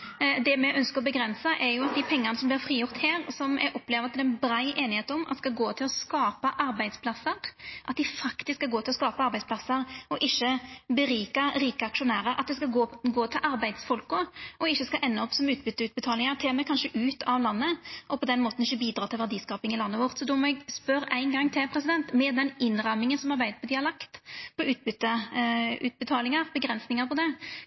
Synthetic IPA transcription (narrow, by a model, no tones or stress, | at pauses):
d̪ɛmɛʔœnskəɾɔbəɡɾɛnsəʔɛɾjʊɑt̪̚d̪ɪpʰɛŋːənəsɔmblɪʁfɾiːjʊʁt̪hæːɾsɔmɛ̰ʔɔpːleːʋəɾɑt̪̚d̪ɛɛnbɾæɪʔeːnɪheːt̪ɔmɑ̰t̪skɑɡoːt̪ʰɪlɔskɑːpəʔɑɾbæɪd̪spʰlɑsːəɾʔɑt̪̚d̪ɪfɑkt̪ɪskːɑɡoːt̪ʰɪlɔskɑːpəɑɾbæɪsplɑsəɾɔʔɪçːəbəɾiːkəɾiːkəɑkʂʊnæːɾəɾʔɑt̪̚d̪ɛskɑɡoɡoːt̪ʰɪlʔɑɾbæɪd̪sfɔlkʊʔɔɪçːəskɑʔɛnːəɔpsɔmʉːt̪̚bʏt̪ːəʉːt̪̚bət̪ʰɑːlɪŋɑɾt̪ʰeːmɛkʰɑnʂəʔʉːt̪ʰɑʋlɑnːəʔɔpʰɔd̪ɛnmoːt̪n̩ɪçːəbiːd̪ɾɑːt̪ʰɪlʋæʁd̪iːskɑːpɪŋɪlɑnːəʋɔʁt̪sɔd̪ɔmɔɛɡspœɾæɪnɡɑŋːt̪ʰɪlpʰɾɛsɪd̪ɛnt̪mɛd̪ɛnɪnːɾɑmɪŋənsɔmɑʁbæɪd̪əpʰɔd̪ɪɑɾlɑkt̪pʰɔʉːt̪̚bʏt̪ːə | ʉ̰t̪̚bət̪ʰɑːlɪŋɑɾbəɡʁɛnsnɪŋɑɾpɔd̪ɛ